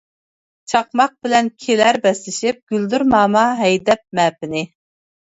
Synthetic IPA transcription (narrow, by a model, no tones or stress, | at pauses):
t͡ʃʰɑqmɑq̚bɪlɛnkʲʰelæɾbɛslɪʃip̚ɡ̥ʲyld̪yɾmɑːmɑɦɛjd̪ɛp̚mɛːp̚ɪnɪ